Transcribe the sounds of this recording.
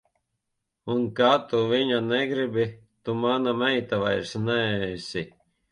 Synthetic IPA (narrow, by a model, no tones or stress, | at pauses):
unkat̪uviɲanɛɡɾibi | t̪umanamɛjt̪aʋajɾsnɛɛsʲi